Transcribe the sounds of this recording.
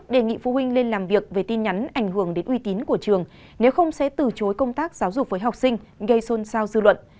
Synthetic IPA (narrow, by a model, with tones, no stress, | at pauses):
ɗe˨˩ŋḭ˧˨fu˧˦ɦwi˧ŋ̟le˧nlaː˨˩mvi˨˩ək̚ve˨˩t̪i˧nɲa˨˦nʔa˧˩ŋ̟ɦɨ˧˩əŋɗe˨˦nʔwi˧t̪i˨˦nku˧˩ət͡ɕɨ˨˩əŋ | ne˨˦wxə˧wŋ͡msɛ̰˧˥t̪ɨ˨˩t͡ɕo˨˦jkə˧wŋ͡mt̪aː˦˥k̚zaː˨˦wzʊ˨˩k͡p̚vəː˨˦jɦa˨˩k͡p̚sï˧ŋ̟ɣə˧jso˧nsaː˧wzɨ˧lwə̰˧˨n